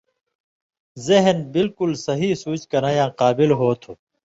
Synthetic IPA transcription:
zeɦnbɪlkʊlsɐɦisuːt͡ɕkɐnɐjãːqaːbilɦoːt̪ʰuː

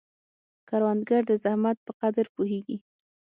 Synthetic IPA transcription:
kaɾwand̪ɡaɾd̪əzahmat̪̚pəqad̪əɾpuɦeɡi

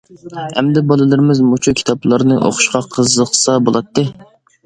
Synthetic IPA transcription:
hɛ̰md̪ɛbɑlˠɨlˠɨɾɪmɪzmut͡ʃʰukʲʰi̥t̪ʰɑplˠɑɾnɨʔo̰χʊ̥ʃqɑqʰəzəχsɑbolˠɑt̪ːɨ

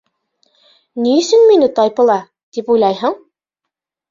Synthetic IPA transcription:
niɘ̆sɘnminɘt̪ɑjpɤ̆lˠɑ | t̪ipujlˠɑjɦɤɴ

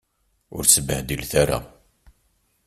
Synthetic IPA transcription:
ʊ̰ɾt͡sːəbəhd̪ilθaɾa̰

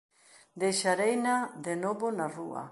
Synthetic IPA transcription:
d̪ejʃaɾejnaðenoβonaruɐ̰

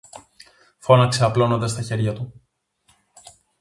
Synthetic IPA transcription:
fo̞nɐkseɐplo̞no̞nd̪ɐst̪ɐçe̞ɾʝɐt̪u

